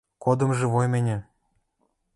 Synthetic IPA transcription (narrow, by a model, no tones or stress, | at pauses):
kod̪ɤ̆mʒĕβojmĕnʲɘ̆